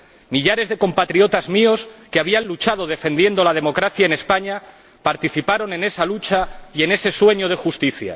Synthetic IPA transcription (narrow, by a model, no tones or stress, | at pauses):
miʎaɾe̞zðe̞ko̞mpat̪ɾio̞t̪azmio̞skeaβ̞ianlut͡ʃað̞oð̞e̞fend̪je̞nd̪o̞lað̞e̞mo̞kɾaθjaene̞spaɲa | paɾt̪iθipaɾo̞ne̞ne̞salut͡ʃaie̞ne̞se̞swe̞ɲoð̞e̞xust̪iθja̰